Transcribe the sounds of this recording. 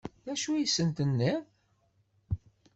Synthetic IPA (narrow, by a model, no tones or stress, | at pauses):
æʃujəsːənt̪ənːi